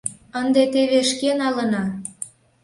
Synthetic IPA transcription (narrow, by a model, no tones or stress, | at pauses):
ənd̪et̪eβeʃkenɑlə̆nɑ